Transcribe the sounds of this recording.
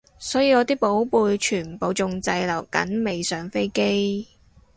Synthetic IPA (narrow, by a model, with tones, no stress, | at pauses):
sɔː˨˥jiː˨˧ŋɔː˨˧t̪iː˥po˨˥wpuː˧jt͡ʃʰyː˨˩n̩˨˩po˨˧wt͡sʊ˧ŋt͡sɐ˧jlɐ˨˩wkɐ̰˨˥nme˨jsœː˨˧ŋfe˥jke˥j